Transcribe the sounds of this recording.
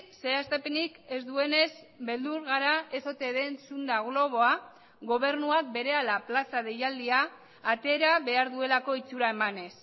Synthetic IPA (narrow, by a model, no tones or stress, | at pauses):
se̞ast̪epenike̞zd̪ue̞ne̞s | be̞ld̪uɾɣaɾae̞so̞t̪e̞ðe̞nsund̪aɣlo̞β̞o̞a | ɣo̞βe̞ɾnuak̚be̞ɾe̞alaplasað̞e̞jald̪iaː | t̪e̞ːɾaβe̞aɾðue̞lako̞it͡suɾae̞mane̞s